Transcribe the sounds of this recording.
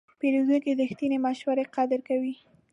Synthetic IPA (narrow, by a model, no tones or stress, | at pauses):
peɾuzunked̪əxt̪inemaʃwaɾeqɑd̪əɾkawi